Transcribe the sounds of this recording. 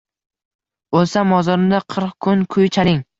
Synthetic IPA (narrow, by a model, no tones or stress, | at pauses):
olsamːɒzɒɾɪmd̪aqʰɨɾqkʰʊnkʰʊjt͡ʃʰaɾɪŋ